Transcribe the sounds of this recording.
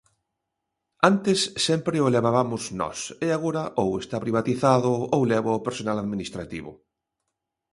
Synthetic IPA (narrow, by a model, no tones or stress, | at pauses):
ant̪ɪsːɛmpɾɪoleβaβamʊznɔ̰seaɣoɾɐʔowest̪apɾiβ̞at̪iθaðʊowlɛβoawpeɾsonalaðminist̪ɾat̪iβʊ̰